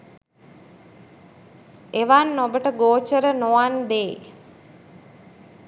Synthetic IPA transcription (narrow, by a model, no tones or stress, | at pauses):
eʋanːobəʈəɡoːt͡ʃəɾənoand̪eː